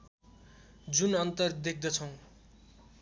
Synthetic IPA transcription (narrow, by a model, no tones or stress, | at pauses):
d͡zunʌnt̪ʌrd̪ek̚ʰd̪ʌt͡sʰʌw̃